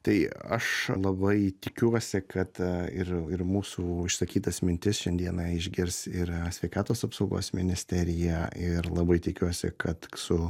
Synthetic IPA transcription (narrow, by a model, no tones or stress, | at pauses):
t̪ɐɪɐʃlˠɐbɐɪt̪ʲɪkʲuɔsʲɪkɐt̪ɪɾɪɾmuːsuːɪʃsɐkʲiːt̪ɐsmʲɪnʲt̪ʲɪsʃʲɛnʲd̪ʲiɛnɑɪʒʲɡʲɪɾʲsɪɾsʲʋʲɛɪkɑːt̪oːsɐpsɐʊɡo̰ːsmʲɪnʲɪsʲt̪ʲɛɾʲɪjæɪɾlˠɐbɐɪt̪ʲɪkʲuɔsʲɪ̰kɐt̪sʊ